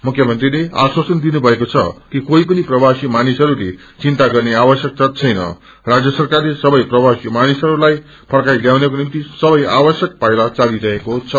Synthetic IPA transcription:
mukʰjʌmʌnt̪rilea̰swasʌnd̪inubʱʌekot͡sʰʌ̰kikoipʌniprʌbasimanisɦʌɾule | t͡sint̪aɡʌrneabʌsjʌk̚tʌt̪̚t͡sʰʌjnʌ̰ | rad͡zjʌsʌrkarlesʌbʌjprʌbasimanisʌɾulaj | pʰʌɽkajljawnekonimt̪isʌbʌja̰bʌsjʌk̚pajlat͡saliɾʌɦekot͡sʰʌ

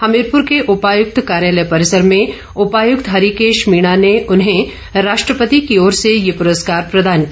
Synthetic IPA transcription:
hɐmeɾpʊɾkeʔʊpaːjʊk̚t̪kaːɾjaːləjpɐɾɪsəɾmẽ | ʊpaːjʊkt̪ɦɐɾikeːʃmiːɽ̃aneʔʊnɦẽ | ɾaːʃʈɾəpət̪ikioːɾsejepʊɾəskaːɾpɾɐd̪aːnk

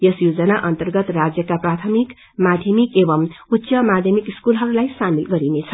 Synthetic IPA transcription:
jʌsjod͡zʌnaʔʌnt̪ʌrɡʌt̪rad͡zjʌkaprat̪ʰʌmik | mad̪ʱjʌmikebʌmut̪ːsʌmad̪ʱjʌmikiskulɦʌɾulajsamilɡʌɾinet͡sʰʌ

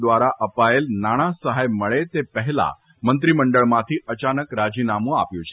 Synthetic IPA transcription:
d̪ʋaɾaʔəpaelnaɽ̃ãsəɦajməɭet̪epəɦɛla̰ | mənt̪ɾiməɳɖəɭmãt̪ʰiʔət͡ʃanəkɾad͡ʒinamũa̰pjũt͡ʃʰe

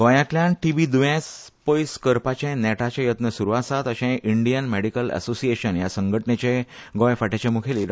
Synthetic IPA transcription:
ɡɔ̃jakljãnʈiʋid̪ujẽspəjskəɾpat͡ɕẽnɛʈat͡ɕajət̪nəsuɾuʋasat̪əɕẽʔiɳɖijənmeɽikəlɛ̰sosieɕənjasəŋɡʱəʈnet͡ɕẽɡɔ̃jfaʈet͡ɕemukʰeliːɾ

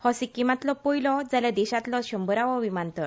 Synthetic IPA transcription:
hɔsikimat̪lɔpojlɔd͡zaljad̪ɛɕat̪lɔɕəmbəɾaʋɔʋimant̪ɔɾ

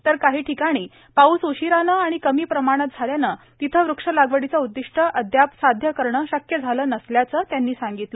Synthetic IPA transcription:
t̪əɾkaɦiːʈʰikaɽ̃iː | pausuɕiɾanəaɽ̃ikəmiːpɾəmaɽ̃ət̪̚d͡zʱaljanə | t̪it̪ʰəʋɾukʂəlaɡʋəɽit͡saud̪ːiʂʈʰəʔəd̪ʱjapsad̪ʱjəkəɾɳəɕəkjəd͡zʱaləːnəsljat͡səːt̪janːiːsãŋɡit̪lə

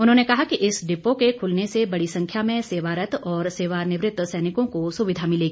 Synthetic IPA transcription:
ʊnɦõnekɐɦakiʔɪsɖɪpokekʰʊlnesebɐɽisɐ̃ŋkʰjamẽseːʋaːɾət̪ɔːɾseːʋaːnɪʋɾɪt̪ːsɛːnɪkõkosʊʋɪd̪ʱamɪleɡiiː

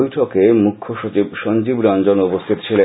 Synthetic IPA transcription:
jʈʰokemukʰːoʃot͡ɕibʃɔnd͡ʑibɾand͡ʑonopost̪ʰit̪o̥t͡ɕʰile

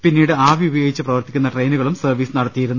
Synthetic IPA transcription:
pinːiːɽɨaːʋiubɐjoːɡit͡ɕːɨprɐʋɐrt̪ikʲːunːɐʈrejnuɣɐɭumsɐrʋiːsɨnɐɽɐt̪ːijiɾunːu

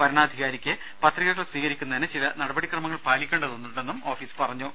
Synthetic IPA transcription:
pɐɾɐɳaːd̪ʱiɣaːɾikʲːɨ | pɐt̪riɣɐɣɐɭswiːɣɐɾikʲːunːɐðinɨt͡ɕilɐnɐɽɐbɐɽikrɐmɐŋːɐɭpaːlikʲːe̞ːɳɖɐðonːuɽe̞nːumo̞ːfiːspɐrɐɲːu

